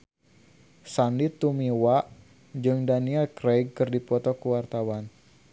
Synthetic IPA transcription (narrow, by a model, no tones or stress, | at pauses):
sanit̪umiwaʔ | d͡ʒɨŋdaniɛlkɾeɡ̚kɨrdipɔt̪ɔkuwart̪awan